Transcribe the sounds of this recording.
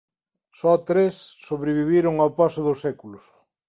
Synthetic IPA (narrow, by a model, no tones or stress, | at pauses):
sɔt̪ɾesːoβɾeβiβiɾʊŋawpasʊðʊsɛkulʊs